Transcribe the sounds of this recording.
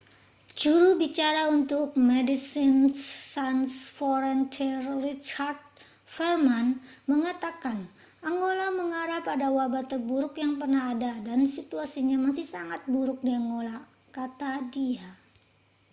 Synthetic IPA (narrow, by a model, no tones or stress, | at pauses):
d͡ʒuɾubit͡ʃaɾaunt̪ʊk̚mɛdisɪnsːansfɔɾɛnt̪ʰɛrrit͡ʃard̪̚ | fɛrmanməŋat̪akan | aŋɡolaməŋaɾapadawabat̪ərbuɾʊkjaŋpərnahːdadansit̪uasiɲamasɪhsaŋat̪̚buɾʊk̚diaŋɡola | kat̪adia